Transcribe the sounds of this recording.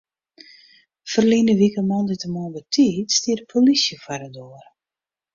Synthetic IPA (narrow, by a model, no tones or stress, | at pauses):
fərlinəʋikəmɔnditəmɔnbətʰitstiərpʰolisjəfaɾədoər